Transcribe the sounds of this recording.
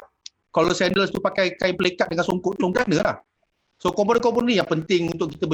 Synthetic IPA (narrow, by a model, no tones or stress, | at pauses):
kalosɛndəlst̪upakajkajpəlekat̪̚dəŋansoŋkʊʔt̪usɔŋkanəlah | sokomp̬onəkop̬ʊnnijaŋpənt̪ɪŋunt̪ʊkit̪əbə